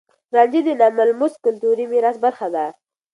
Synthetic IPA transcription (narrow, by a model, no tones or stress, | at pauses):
ɾɑnd͡ʒid̪ənamalmʊskʊlt̪uɾimiɾasbəɾxad̪a